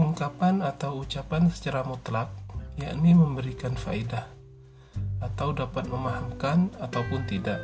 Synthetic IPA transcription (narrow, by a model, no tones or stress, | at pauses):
uŋkapanat̪awut͡ʃapansə̥t͡ʃaɾamut̪lak̚jaʔniməmbəɾikanfa̰idah | at̪awdapat̪̚məmahamkanat̪awpʊnt̪idaʔ